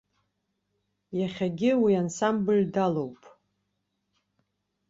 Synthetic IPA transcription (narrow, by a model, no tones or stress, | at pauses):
jaχʲaɡʲɪwiansambɨldalo̞wpʼ